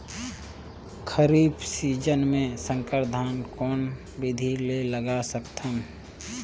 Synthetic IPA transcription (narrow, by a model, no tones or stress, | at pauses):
kʰəɾiːbsiːd͡ʒənmẽsə̃ŋkəɾd̪ʱaːnkɔːn | bɪd̪ʱileləɡasəkt̪ʰəm